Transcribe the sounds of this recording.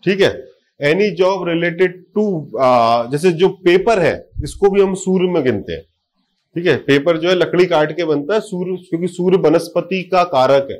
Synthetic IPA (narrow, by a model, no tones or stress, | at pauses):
ʈʰiːkɦɛ̰ː | ɛːnid͡ʒɔːbɾɪleːʈɪɖ̚ʈu | d͡ʒɛːs̬ed͡ʒoːpeːpəɾɦɛ̰ːɪskobʱiɦɐmsuːɾmẽɡɪ̃nt̪ḛɦɛ̰̃ː | ʈʰiːkɦɛpeːpəɾd͡ʒoːɦɛlɐkɽikaːɾʈkebɐnt̪aɦɛsuːɾkjõːkisuːɾbɐnəspət̪ikakaːɾəkɦɛ̰ː